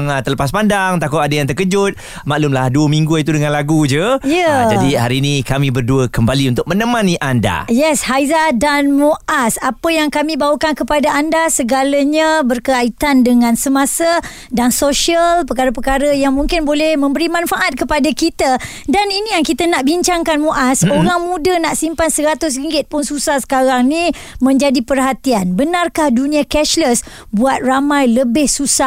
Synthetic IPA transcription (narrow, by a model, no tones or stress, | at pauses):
ŋt̪ələpas̬pandaŋt̪akʊt̪adajaŋt̪ərkəd͡ʒʊt̪̚ | maʔlumlahduəmĩŋɡuit̪udəŋãnlaɡud͡ʒəjəd͡ʒadiɦaɾiːnĩkamĩbərduəkəmbaliunt̪ʊk̚mə̃nəmãniʔanda̰jɛshajzadanmoʔasapəjaŋkamĩbawəkankəpadaandasəɡalaɲabərkəait̪andəŋãnsəmasə | dansoʃiəlpəkaɾəpəkaɾəjaŋmũŋkɪnbolɛhmə̃mbəɾimãnfaʔat̪̚kəpadakit̪a | daninijaŋkit̪anaʔbiɲt͡ʃaŋkanmoʔasoɾaŋmũdənaʔsimpansəɾat̪ʊs̬ɾiŋɡɪt̪̚pʊnsusahsə̥kaɾaŋni | mə̃ɲd͡ʒadipərɦat̪ianbənarkahdunĩakɛʃləs | buat̪̚ramãjləbɪhsusa